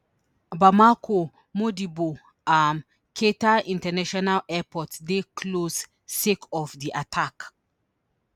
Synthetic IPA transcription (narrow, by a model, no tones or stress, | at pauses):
bamakʰo | modibo | ãm | kʰetaĩntɛnaʃɔnalɛpɔtdekʰlos | sekɔfdiʔatʰak